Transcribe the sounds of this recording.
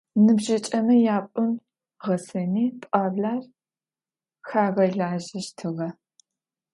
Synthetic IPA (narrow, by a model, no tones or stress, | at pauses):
nɨbʒɐt͡ʃʼɐmɐjaːpʷʼʊm | ʁɐsɐniːpʼaːbaːr | xaːʁɐɮaːʒɐʃtʰɨʁɐ